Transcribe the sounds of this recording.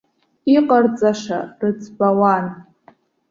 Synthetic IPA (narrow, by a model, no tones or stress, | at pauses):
iqʼart͡sʼaʂarɨt͡sʰbawan